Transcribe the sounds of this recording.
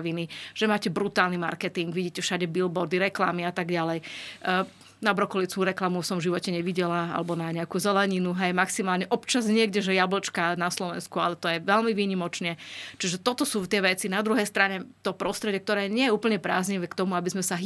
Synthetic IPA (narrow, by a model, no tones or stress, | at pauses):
ʋiniʒ̥ɛmaːcɛbɾut̪aːlnima̰ɾkɛt̪iŋɡʋiɟiːcɛfʃaɟɛbilbɔɾd̪iɾɛkla̰miat̪aɡɟalɛj | nabɾɔkɔlit͡skuːɾɛklamusɔmvʒiʋɔcɛɲɛʋiɟɛlaa̰lɛbɔnaɲɛakuːzɛlɛɲinuɦɛjmaksimaːlɲɛʔɔpt͡ʃazɲɪɛɡɟɛʒɛjabl̩t͡ʃkanaslɔʋɛ̰nskualɛt̪ɔjɛʋɛlmiʋiːɲimɔt͡ʃnɛt͡ʃiʒɛt̪ɔt̪ɔsuːft̪ɪɛʋɛt͡sinad̪ɾuɦɛjst̪ɾaɲɛt̪ɔpɾɔst̪ɾɛɟɛkt̪ɔɾɛːɲɪɛjɛuːpl̩ɲɛpɾa̰ːzɲiʋɛːkt̪ɔmuabizmɛsaɦ